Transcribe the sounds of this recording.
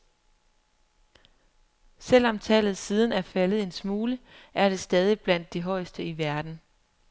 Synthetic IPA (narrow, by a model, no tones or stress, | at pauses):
sel̰ɒ̽mt͡sʰɛ̰ːlð̞̩ˠsiːð̞ˠn̩æɐfælð̞̩ˠe̝nsmuːləʔæɐɾ̥e̝sd̥ɛːð̞ˠib̥læn̰d̥ːe̝ɦɒ̽ɪsd̥əiʋæɐd̥n̩